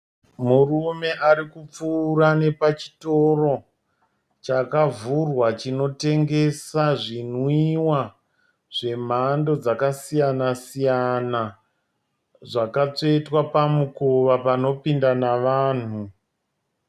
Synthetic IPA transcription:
murume̞ʔaɾikup͡fuːrane̞pat͡ʃi̥to̞ro̞ | t͡ʃakavurwat͡ʃino̞te̞ŋɡe̞saʐinwiwa | ʐe̞m̤ando̞d͡zakasijanasijana | ʐakat͡seitwapamukoʋapano̞pindanaʋaːn̤u

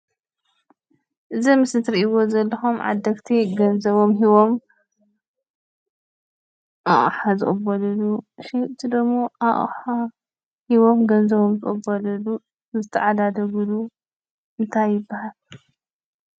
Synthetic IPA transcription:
ʔɨzimɨsnɨt̪ʰɨɾiiwo̞zɐlːɐxumʕa̰d̪ːɐkt̪ʰiɡɐnzɐβo̞mɦiβo̞m | ʔaʔʼħazɨ̰χʼɨbɐlɐluʃit̪ʰid̪ɐmːo̞ʔaʔʼħa | hiβo̞mɡɐnzɐβomzɨχʼɨbɐlɐlu | zɨt̪ʰːɐʕad̪ad̪ɐɡulu | ʔɨnt̪ʰajːɪbːahal

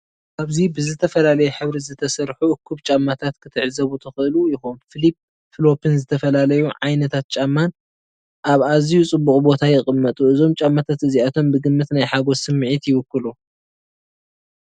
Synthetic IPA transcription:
ʔaβzibɨzɨt̪ʰɐfɐlalɐjɛħɨβɾizɨt̪ʰɐsɐɾħuʔɨkʰːuβt͡ʃʼamːat̪ʰat̪kʰɨt̪ʰɨʕzɐβut̪ʰɨxɨʔɨlujɪxonfɨlip | fɨlo̞pʰɨnzɨt̪ʰɐfɐlalɐjuʕajnɐt̪ʰat̪̚t͡ʃʼamːan | ʔaβazijut͡sʼɨbːukʼubo̞t̪ʰajɪχʼɨmːɐt̪ʼuʔɨzo̞mt͡ʃʼamːat̪ʰat̪ɨziat̪ʰo̞mbɨɡɨmːɨt̪najħaɡo̞sɨmːɨʕit̪jɪwɨkːɨlu

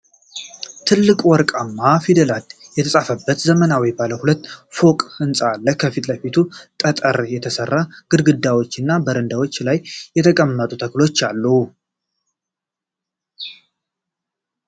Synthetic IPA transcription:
t̪ʰɨlːɨkʼwɔɾkʼamːafid̪əlat̪jɛt̪ʰəsʼafəbːət̪zəmənawjbaləhulət̪ːfo̞kʼɨnsʼaaːlːəhkʰəfit̪ʼləfit̪ʰut̪ʼət̪ʼəɾjɛt̪ʰəsərːaɡ̥ɨd̪ɡɨd̪awo̞t͡ʃːɨnːabəɾɨnd̪awo̞t͡ʃːlajːɛt̪ʰəkʼəmːət̪ʼut̪ʰəklo̞t͡ʃːalːu

